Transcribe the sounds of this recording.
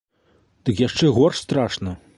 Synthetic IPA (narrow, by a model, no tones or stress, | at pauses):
t̪ɨkjaʂt͡ʂɛɣorʂst̪ɾaʂnɐ